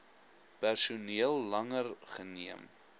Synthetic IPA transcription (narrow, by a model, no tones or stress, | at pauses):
pærsuniəlˠːɐŋərχəniəm